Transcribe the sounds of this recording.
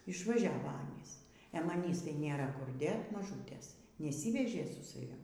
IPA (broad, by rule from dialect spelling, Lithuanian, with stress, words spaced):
ɪʃʋɐˈʒʲæːʋoː ˈɑːnʲiːs ɛ mɐˈnʲiːs tɐɪ ˈnʲeːrɐ kʊr ˈdʲeːt mɐˈʒuːtʲeːs nʲɛˈsʲiːʋʲɛʒʲeː sʊ sɐˈʋʲɪm